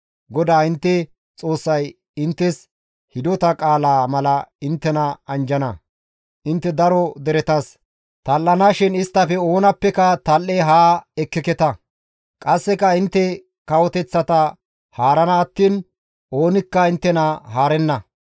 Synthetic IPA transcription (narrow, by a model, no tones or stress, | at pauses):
ɡɔd̪aːɪnt̪ːɛ | t͡sʼo̞ːsːɐj | ɪnt̪ːɛs | hɪd̪ɔt̪ɐkʼaːlaːmɐlɐɪnt̪ːɛnɐɐnd͡ʒɐnɐ | ʔɪnt̪ːɛd̪ɐɾɔd̪ɛɾɛt̪ɐs | t̪ɐlːɐnaːʃɪnɪst̪ːɐfɛo̞ːnɐpːɛkɐt̪ɐlːɛɦaːɛkːɪkɛt̪ɐ | kʼɐsːɛkɐɪnt̪ːɛ | kɐwɔt̪ɛt͡sːɐt̪ɐ | haːɾɐnɐːt̪ːiːn | ʔo̞ːnɪkːɐɪnt̪ːɛnɐhaːɾɛnːɐ